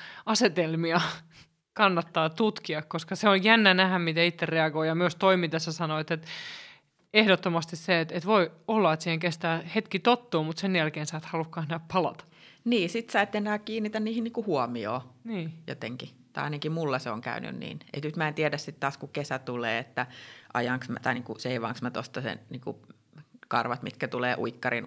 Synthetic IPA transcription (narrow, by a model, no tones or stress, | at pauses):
ɑset̪elmiɑ | kɑnːɑt̪ːɑːt̪ut̪kiɑkkoskɑseonjænːænæhæmmit̪æit̪ːerreɑɡoijɑmyøst̪oimit̪esːɑsɑnoet̪ːet̪ | ehdot̪ːomɑst̪isseet̪et̪ʋoiolːɑet̪siːheŋkest̪æːhet̪kit̪ot̪ːuːmut̪senjælkeːnsɑːt̪hɑlukːɑːsnæhppɑlɑ̰t̪ɑ̥ | niːsit̪sɑet̪ːenæːkiːnːit̪ænniːhinniːŋkuhuɔmio̰ːniːjo̰t̪eŋki | t̪ɑ̰ɑinɑkimulːɑseoŋkæ̰yny̰nnḭːnḛit̪nyt̪mæent̪iɛdæssit̪t̪ɑːskukesæt̪ulḛːet̪ːæʔɑ̰jɑŋksmt̪ɑiniːŋkuseiʋɑ̰ŋksmæt̪ost̪ɑsḛnniːŋkṵ | kɑrʋɑt̪mit̪kæt̪uleːʔuikːɑrḭn